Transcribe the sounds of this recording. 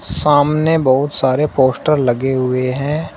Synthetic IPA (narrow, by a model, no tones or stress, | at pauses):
saːmnebɐɦʊt̪saːɾepoːsʈəɾlɐɡeɦʊeɦɛ̃ː